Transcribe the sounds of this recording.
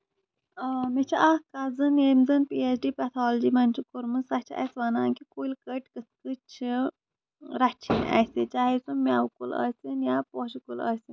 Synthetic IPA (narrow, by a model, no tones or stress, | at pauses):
met͡ʃʰiakazɨneːmzɨnpiesɖiːpɛt̪ʰaːld͡ʒimɐnt͡ʃʰikuɾmɨsɐt͡ʃʰɐ̰sʋanaːŋkikulkəʈkɨskɨt͡ʃʰi | ɾɐt͡ʃʰina̰sit͡ʃaːɦesumʲaːwkulə̰ːsʲinjaːpoːʃikulə̰ːsi